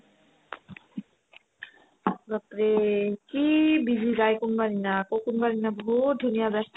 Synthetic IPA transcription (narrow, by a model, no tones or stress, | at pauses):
ɡat̪ɾekibid̪ʱiɾajkonbaɾinakokonbaɾinabɔɦut̪̚d̪ʱunijad̪ɛs